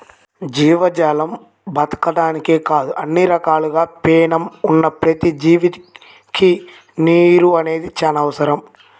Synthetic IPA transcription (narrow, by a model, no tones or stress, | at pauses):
d͡ʒiːʋɐd͡ʒaːlɐm | bɐt̪ɐ̥kɐɖaːnikeːkaːd̪uʔɐnːiɾɐkaːluɡaːpɛːnɐmunːɐpɾɐt̪id͡ʒiːʋi | ki | niːɾuɐne̞ːd̪it͡ʃɐnɐʋɐsɐɾɐm